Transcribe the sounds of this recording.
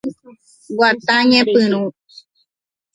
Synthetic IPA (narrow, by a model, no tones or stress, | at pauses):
wat̪ãɲẽpɨñũ